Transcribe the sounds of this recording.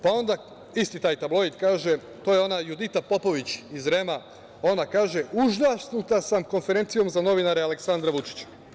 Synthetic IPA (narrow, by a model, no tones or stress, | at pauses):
pao̞nd̪a | ist̪it̪aːjt̪ablˠo̞id̪kaːʒe̞ | t̪o̞je̞o̞najud̪it̪apo̞po̞ʋit͡ɕizɾe̞ma | o̞nakaːʒe̞uʒnasnut̪asamko̞nfe̞ɾe̞nt̪sijo̞mzano̞ʋinaɾeale̞ksand̪ɾaʋut͡ʃi̥t͡ɕḁ